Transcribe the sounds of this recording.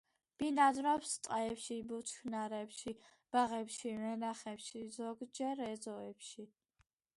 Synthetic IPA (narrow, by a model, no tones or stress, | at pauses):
b̥inad̪ɾapst̪ʼaɛpʃibut͡ʃ̪ʰkʰnaɾɛpʃi | b̥aʁɛpʃivɛnaχɛpʃizɔɡd͡ʒɛɾɛzɔɛpʃi